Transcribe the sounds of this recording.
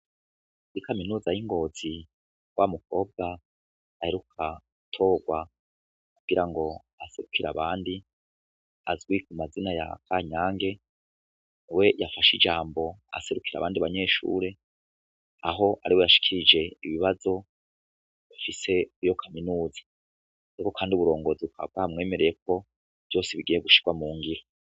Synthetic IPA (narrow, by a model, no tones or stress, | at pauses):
ikaminuːzajiŋɡo̞ːz̥i | wʔamukʰo̞ːb̚ɡa | aheɾukʰa | tʰo̞ːɡwa | kuɡ̥iɾaŋɡo̞ | ase̞ɾukʰiɾa̰βaːndi | a̰zɡwiːkumazinaja̰kʰaɲaːŋɡe̞ | niwe̞jafaʃid͡ʒaːmbo̞a̰se̞ɾukʰiɾa̰βaːndiβaɲe̞ːʃṵːɾe̞ | aɦo̞ʔa̰ɾiwe̞jaʃi̥kʰiɾid͡ʒe̞iβiβazo̞ | jafise̞jo̞kʰaminuːzḁ | aɾiko̞kʰaːndiuβuɾo̞ːŋɡo̞ziukʰaβa̰vɡamŋe̞ːme̞ɾe̞je̞k̚o̞ | v̥jo̞ːseβiɡijeɡuʃi̥ɡ̥wamuːŋɡiɾa